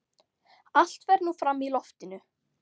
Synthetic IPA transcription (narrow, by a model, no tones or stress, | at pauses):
al̥t̪vɛɾnufɾamːilɔft̪ɪnʏ